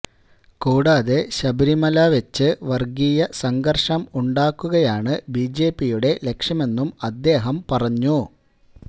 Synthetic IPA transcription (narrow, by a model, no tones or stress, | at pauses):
kuːɽaːðe̞ɕɐbɐɾimɐlaʋet͡ɕːɨʋɐrɡijɐsɐŋɡɐrʂɐmuɳɖaːkːuɣɐjaːɳɨbiːd͡ʑe̞ːpːijuɽe̞le̞kʂɐme̞nːumɐd̪ːe̞ːɦɐmpɐrɐɲːu